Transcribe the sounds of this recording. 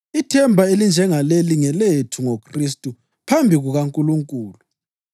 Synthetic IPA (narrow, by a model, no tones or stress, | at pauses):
itʰɛmbʱaelind͡ʒʱɛŋaleliŋɛletʰuŋokʰristʼu | pʰambʱiɣuɣaŋkʼuluŋkʼuːlu